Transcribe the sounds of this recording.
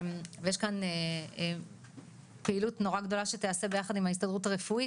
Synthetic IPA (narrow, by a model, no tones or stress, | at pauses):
vejeʃkane | peilutno̞ʁaɡdo̞laʃet̪ease̞be̞jaχad̪imhais̬t̪odʁutaʁefui